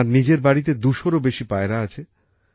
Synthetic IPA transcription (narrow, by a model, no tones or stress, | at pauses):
ɾnid͡ʑeɾbaɽit̪̬ed̪uʃoɾobeʃipaeɾaat͡ɕʰe